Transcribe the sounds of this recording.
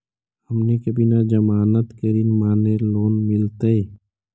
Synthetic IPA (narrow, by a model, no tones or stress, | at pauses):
həmnekəbʱinad͡ʒəmaːnət̪kəɾiːnmaːneloːnmɪlt̪ee